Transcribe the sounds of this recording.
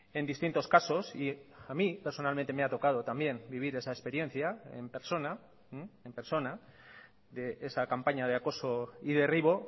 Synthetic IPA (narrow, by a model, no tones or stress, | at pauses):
e̞nd̪ist̪int̪o̞skaso̞siamipeɾso̞nalment̪e̞meat̪o̞kað̞o̞t̪ambje̞nbiβ̞iɾe̞saespe̞ɾje̞n̟θjaḛmpe̞ɾso̞na | empe̞ɾso̞na | ðe̞ʔesakampaɲað̞eako̞so̞ið̞e̞riβ̞o̞